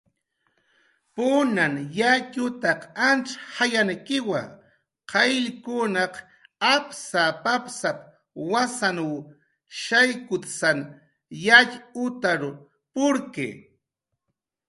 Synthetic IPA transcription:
pʊnanjaʎʊt̪ɑqanʈ͡ʂhajankɪwa̰ | qɑjʎkʊnɑq | apsapapsap | wasanw | ʃajkʊt̪san | jaʎʊt̪aɾʊ | pʊɾkḛ

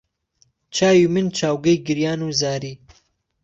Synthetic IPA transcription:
t͡ʃʰaːjimɨnt͡ʃʰaːwɡɐjɡɨɾjaːnuzaːɾiː

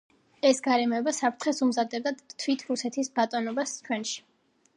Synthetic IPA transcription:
ɛsɡaɾɛmɔɛbasapʰɾt̪ʰχɛsumzad̪ɛb̚d̪at̪ʰwit̪ʰɾusɛt̪ʰisbat̪ʼɔnɔbast͡ʃʰwɛnʃi̥

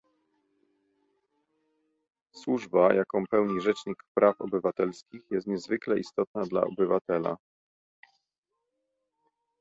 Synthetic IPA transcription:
swuʐbajʔakɔ̃w̃pɛwɲiʐɛt͡ʂɲikpɾʔafɔ̰bɘvat̪ɛlskʲixjɛst̪ɲɛzvɘklɛʔist̪ɔt̪̚nad̪la̰ɔ̰bɘvat̪ɛla̰

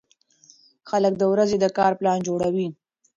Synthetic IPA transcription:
xalək̚d̪əwɾazed̪əkɑɾplɑnd͡ʒoɽawi

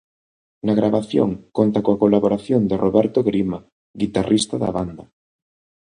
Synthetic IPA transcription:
naɣɾʔaβaθjo̰ŋkont̪akoakolaβoɾaθjond̪ɪrʔoβɛɾt̪oɣɾima | ɡit̪arʔist̪aða̰βand̪a

